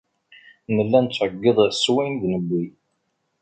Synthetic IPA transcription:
nəlːænt͡sːʕəɡːɪðˤswinðnəbːi

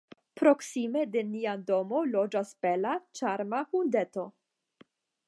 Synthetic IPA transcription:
pɾo̞ksimed̪eniad̪omolod͡ʒasbelat͡ʃaɾmahund̪et̪o̞

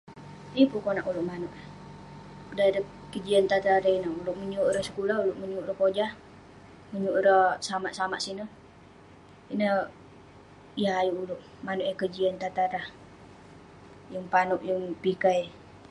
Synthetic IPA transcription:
ipukonaʔulʊʔmanʊʔ | kədadəkəd͡ʒiant̪at̪aɾainaʔulʊʔməɲʊʔɾəsə̥kulaulʊʔməɲuʔɾəkod͡ʒah | məɲuʔɾəsamaʔsamaʔsinə | inə | jaɦajuulʊʔ | manuʔəkəd͡ʒiant̪at̪aɾah | jəŋpanʊʔjəŋpikaj

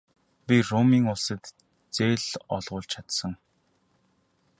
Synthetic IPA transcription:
pʲiromiːŋʊɮsə̆t̪ | t͡seːɮɔ̰ɮʁʊːɮt͡ɕʰat̪sə̆ŋ

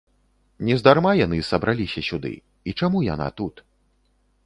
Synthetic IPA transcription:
nʲɛzd̪armajanɨsɐbɾʔalʲisʲɐsʲud̪ɨ̰ | it͡ʂamuja̰na̰t̪ut̪

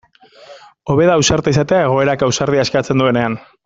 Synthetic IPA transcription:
o̞βe̞ðaːwsaɾt̪eis̬at̪e̞ae̞ɣ̞o̞e̞ɾakawsaɾð̞iaeskat͡se̞nd̪ue̞ne̞an

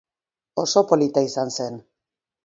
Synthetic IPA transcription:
oso̞polit̪aisansen

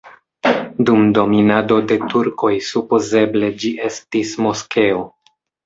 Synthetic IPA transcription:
dumdo̞minado̞de̞tuɾko̞jsupoze̞ble̞d͡ʒiʔe̞stismo̞ske̞o

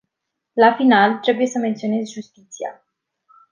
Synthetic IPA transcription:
lafinalt̪ɾe̞buje̞səme̞nt̪sio̞ne̞zʲʒust̪it̪sia̰

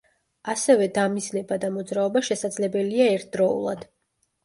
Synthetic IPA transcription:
asɛvɛd̪amiznɛbad̪amɔd̪zɾaɔbaʃɛsad̪zlɛbɛliaɛɾt̪̚ʰd̪ɾɔṵlˠa̰d̪̥

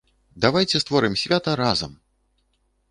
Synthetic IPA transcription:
d̪avajt͡sʲɛst̪vɔɾɨmsʲvʲat̪ɐɾazɐ̰m

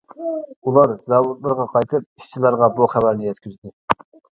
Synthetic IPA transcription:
ulˠɑɾzɑwut̪lˠɨɾʁɑqʰɑjt̪ʰɨp̚iʃt͡ʃʰilˠɑɾʁɑbuχævæɾnɪjɛt̪kʲyzd̪ɪ

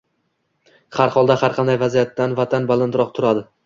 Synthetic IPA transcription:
haɾχɒlˠd̪ahaɾqʰɑnd̪ajvazijat̪ːanvat̪ʰanbalˠɪnd̪ɪɾɒq̚t̪ʰʊɾad̪ɪ

